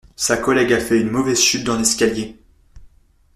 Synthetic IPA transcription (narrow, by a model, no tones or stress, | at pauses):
sakɔlɛɡafɛynmɔvɛzʃyt̪̚d̪ɑ̃lɛskʲalje